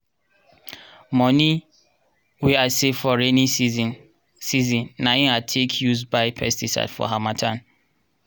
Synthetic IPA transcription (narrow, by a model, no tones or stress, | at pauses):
mɔ̃ni | wiasefɔɹeni | sizĩnːaĩatʰekʰjuzbaɪpʰɛ̰stisa̰dfɔ̰ɦamatʰãn